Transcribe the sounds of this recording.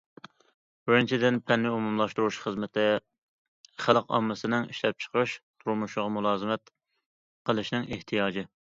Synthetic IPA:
bɪɾɪnt͡ʃʰid̪ɪnpʰɛnːɪumumlˠɑʃt̪uɾuʃχəzmɪt̪ʰɪ | χælˠqɑ̰mːɨsɨnɨŋiʃlɛp̚t͡ʃʰə̥qʰəʃt̪ʰuɾmuʃʊʁɑmulˠɑːzɨmɛt̪ | qʰəlˠɨʃnɪŋeht̪ʰijɑːd͡ʒɪ

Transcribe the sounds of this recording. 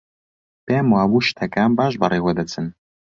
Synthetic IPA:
b̥eːmwaːwuʃtʰɐkʼaːmbaːʒbɐ̰ɾeːwɐdɐt͡sʰɨn

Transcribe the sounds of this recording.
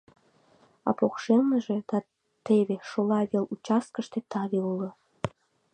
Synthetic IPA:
ɑ̰pokʃelməʒed̪̥ɑ | t̪eβeʃolɑβelut͡ɕɑst̪̚kəʃt̪et̪ɑβeulə̆

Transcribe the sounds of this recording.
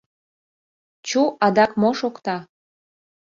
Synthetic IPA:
t͡ɕuʔɑd̪ɑkmoʃokt̪ɑ

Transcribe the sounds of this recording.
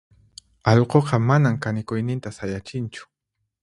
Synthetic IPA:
ɑʎqoqɑmanamkanɪkʊjnɪnt̪asajat͡ʃɪnt͡ʃʊ̥

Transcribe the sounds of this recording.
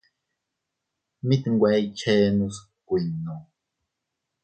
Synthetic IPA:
mit̪ŋɡʷait͡ʃeːnus | kʷinːo

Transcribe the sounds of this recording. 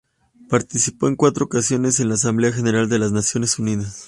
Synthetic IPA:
paɾt̪isipo̞e̞ŋkwat̪ɾo̞okasjo̞ne̞senlaːs̬ambleaxe̞ne̞ɾald̪e̞laznasjo̞ne̞suniðas

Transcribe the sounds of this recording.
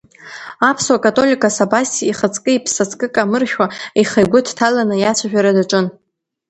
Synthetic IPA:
apʰswakʼatʼo̞lʲikʼasabasiiχət͡sʼkʼɨipʰsat͡sʰʼkʼɨkʼamɨrʃʲᶣwaiχajɡʷʊtʰtʰalanɨjat͡ɕʷʰaʒᶣaɾadaʈ͡ʂʼɨn

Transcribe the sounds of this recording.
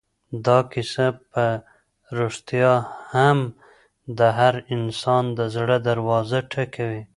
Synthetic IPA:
d̪ɑkɪsapə | ɾoʂt̪jɑham | d̪əɦaɾɪnsɑnd̪əzɽəd̪aɾwɑzaʈʰakawi

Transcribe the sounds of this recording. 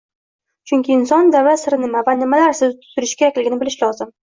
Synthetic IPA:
t͡ʃʰʊŋʲkʲɪɪnsɒnd̪avasɪɾnɪmavanɪmalaɾsɪzt̪ʰʊ̥t̪ʊɾɪʃkʲʰe̞ɾakʲlɪɡʲɪnɪbɪlɪʃlɒzɪm

